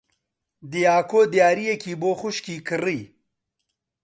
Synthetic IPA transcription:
d̪ijaːkoːd̪jaːɾijɐkiːboːxuɕkiːkəɾij

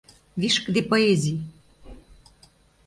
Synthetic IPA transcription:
βiʃkd̪epoezʲij

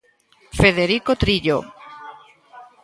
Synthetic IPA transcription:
feðeɾikot̪ɾiʎo̰

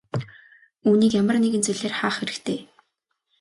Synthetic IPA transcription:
uːniːkjamə̆rneɣɘ̆nt͡seɮeːrχaːχeɾɘ̆kt̪ʰeː

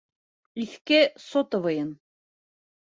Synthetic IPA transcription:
iθkesot̪ɤ̆vɤjɤn

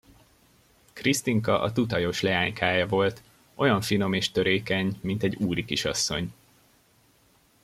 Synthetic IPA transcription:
krist̪iŋkɒʔɒt̪ut̪ɒjo̞ʃlɛaːɲkʰaːjɒvo̞lt̪ | ʔo̞jɒɱfino̞meːʃt̪ø̞ɾeːkɛɲmint̪ɛɟːuːɾikiʃɒ̰sːo̞̰ɲ

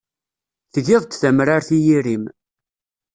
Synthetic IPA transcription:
θðɪðˤt̪ːθæmɾaɾθijiɾim

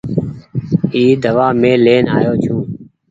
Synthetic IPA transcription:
iːd̪ʱəʋaːmẽːleːnaːjoːt͡ʃʰũː

